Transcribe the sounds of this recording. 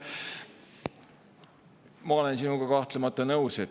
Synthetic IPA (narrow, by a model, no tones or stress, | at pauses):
mɑo̞lensinuɡ̥ɑkɑht̪lemɑt̪ːˑɑnɤwse